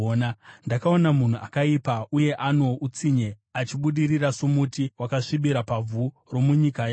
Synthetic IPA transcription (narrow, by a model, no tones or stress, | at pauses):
nndakaonamun̤uakaipauje̞ʔano̞ʔut͡siɲe̞ | at͡ʃiɓuɗirirasumutiwakaʂiɓiɾapavʱu | ro̞muɲikaja